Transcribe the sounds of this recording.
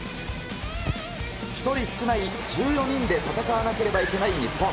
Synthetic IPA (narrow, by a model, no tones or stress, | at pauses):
çi̥t̪o̞ɾʲisɨ̥kɯ̟nai | d͡ʑɨːjo̞ɲ̟ĩnd̪e̞t̪at̪akaβanake̞ɾe̞baike̞naiɲʲipːo